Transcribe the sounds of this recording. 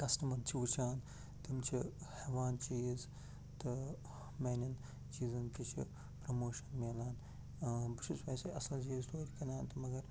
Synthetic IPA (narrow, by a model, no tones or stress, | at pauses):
kɐsʈɐmɐɾt͡ʃʰiʋut͡ʃʰaːn | t̪imt͡ʃʰiheʋaːnt͡ʃiːz | t̪ɨ | meːnɐn | t͡ʃiːzɐnk̪it͡ʃʰḭ | pɾɐmoːʃɐnmeːlaːn | bit͡ʃʰusʋɐːseʔɐsɐlt͡ʃiːzt̪oːɾʲikɐnʲaːnt̪ɐmɐɡɐɾ